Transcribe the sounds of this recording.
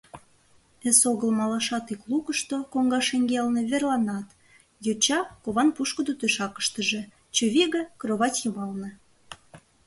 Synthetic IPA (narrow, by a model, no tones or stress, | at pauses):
ɘsoɣəlmɑlɑʃɑt̪iklukəʃt̪okoŋɡɑʃeŋɡeɑlnĕβerlˠɑnɑt̪ | jot͡ɕɑkoβɑnpuʃkəd̪ot̪øʃɑkə̥ʃt̪əʒĕ | t͡ɕoβʲiɣekroβɑtjumɑlnɤ̆